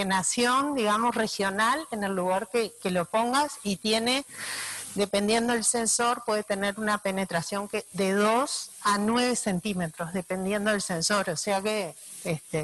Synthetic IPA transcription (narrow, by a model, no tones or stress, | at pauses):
enasjo̞nd̪iɣamo̞sre̞xjo̞nalene̞lːuɣaɾkeke̞lopo̞ŋɡasit̪je̞ne̞ | d̪e̞pe̞nd̪je̞nd̪oelse̞nso̞ɾpwe̞ðet̪e̞ne̞ɾunape̞ne̞t̪ɾasjo̞ŋked̪e̞ðo̞sanweβe̞se̞nt̪ime̞t̪ɾo̞zðe̞pe̞nd̪je̞nd̪oðelse̞nso̞ɾoseakeest̪e